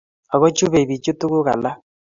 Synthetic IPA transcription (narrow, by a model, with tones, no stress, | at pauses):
ɔ˨ɣɔ˦t͡ʃu˦βe˨βi˨t͡ʃo˦tu˦ɣo˦ɣa̰˨la˦